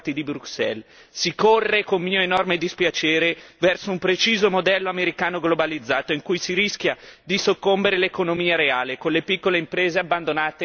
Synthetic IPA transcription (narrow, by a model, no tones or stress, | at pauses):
t̪id̪ibɾuksɛ̰l | sikorːekommiːoenɔrmed̪ispjat͡ʃeːɾevɛrsoumpɾet͡ʃiːzomod̪ɛlːoameɾikaːnoɡlobalid̪zːaːt̪oiŋkujsiɾisk̟jad̪isokːombeɾelekonomiːaɾeaːlekonlepikːoleimpɾeːzeabːand̪onaːt̪e